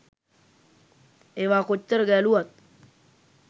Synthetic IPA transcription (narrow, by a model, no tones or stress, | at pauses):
eːʋaːkot͡ʃːəɾəɡæluat̪̚